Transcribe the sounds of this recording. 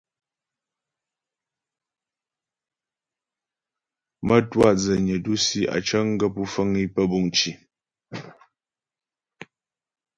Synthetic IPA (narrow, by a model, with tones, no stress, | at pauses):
mə˦twa˦˨d͡zə˨ɲə˨du˦si˦ʔa̰˨t͡ʃə˦ŋ̩˦ɡə˦pu˦fə˦ŋi˦pə˦bu˦˨ŋt͡ʃi˨